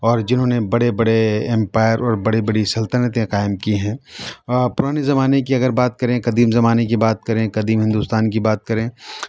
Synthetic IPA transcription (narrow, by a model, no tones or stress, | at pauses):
ɔːɾd͡ʒɪnɦõːnebɐɽebɐɽeɛ̃mpaːɪəɾɔːɾbɐɽebɐɽisɐlt̪ənət̪ẽqaːɪmkiɦɛ̃ː | pʊɾaːnezɐmaːnekiɐɡəɾbaːt̪̚kɐɾẽqɐd̪iːmzɐmaːnekibaːt̪̚kɐɾẽqɐd̪iːmɦɪ̃nd̪uːst̪aːnkibaːt̪̚kɐɾẽ